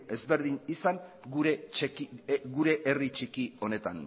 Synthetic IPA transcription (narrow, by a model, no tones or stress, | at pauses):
e̞zβe̞ɾðiɲisaŋ | ɡuɾekiɡuɾe̞ʔerit͡ʃikio̞ne̞t̪a̰n